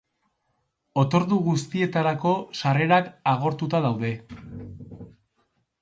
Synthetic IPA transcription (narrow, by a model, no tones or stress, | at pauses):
o̞t̪o̞ɾðuɣust̪ie̞t̪aɾako̞sare̞ɾakaɣ̞o̞ɾt̪ut̪aðawðe̞